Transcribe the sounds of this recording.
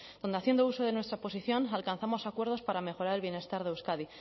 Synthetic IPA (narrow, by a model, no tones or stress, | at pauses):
d̪o̞nd̪eaθjend̪ouso̞ð̞e̞nwe̞st̪ɾapo̞siθjo̞nalkanθamo̞sakweɾð̞o̞spaɾame̞xo̞ɾaɾe̞lβje̞ne̞st̪aɾðewskaði